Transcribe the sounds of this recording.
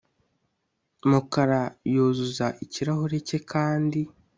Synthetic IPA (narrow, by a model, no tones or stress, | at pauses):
mukaɾajoːzuzaʔiciɾaɦoɾece̞kʰaːndi